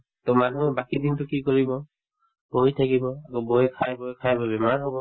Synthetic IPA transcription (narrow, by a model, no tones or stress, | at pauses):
tɔmanuɛbakidintʊkikɔɹibɔ | boɦjtʰakibɔakɔboɛkʰajbɔkʰajbabɛmaɹɦobɔ